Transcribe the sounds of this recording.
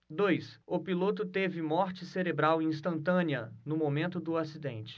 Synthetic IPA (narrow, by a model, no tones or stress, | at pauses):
d̪ojsʊpilot̪ʊt̪evɪmɔɾt͡ʃɪseɾebɾawẽĩst̪ɐ̃nt̪ɐ̃niɐnʊmomẽnt̪ʊd̪ʊasid̪ẽnt͡ʃɪ̥